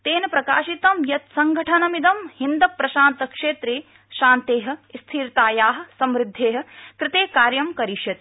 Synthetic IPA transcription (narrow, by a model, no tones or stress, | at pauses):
t̪eːnɐpɾɐkaːʃit̪ɐmjɐt̪sɐŋɡʱɐʈʰɐnɐmid̪ɐmhind̪ɐpɾɐʃaːnt̪ɐkʂeːt̪ɾeː | ʃaːnt̪eːɦɐ̆st̪ʰiːɾt̪aːjaːɦɐ̆sɐmɾɪd̪ʱːeːɦɐ̆kɾɪt̪eːkaːɾjɐmkɐɾiʃjɐt̪